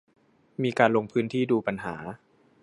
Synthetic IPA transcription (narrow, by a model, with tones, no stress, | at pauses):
miː˧kaː˧nlo˧ŋpʰɯː˦˥nt̪ʰiː˥˩duː˧pa˧nɦa̰ː˩˦